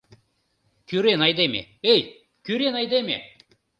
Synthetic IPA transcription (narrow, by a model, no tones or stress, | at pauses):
kʲyɾenɑjd̪emḛej | kʲyɾenɑjd̪emʲḛ